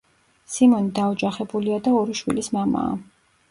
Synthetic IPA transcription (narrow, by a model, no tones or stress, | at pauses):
simɔnid̪aɔd͡ʒaχɛbuliad̪aɔɾiʃwḭlismama̰ː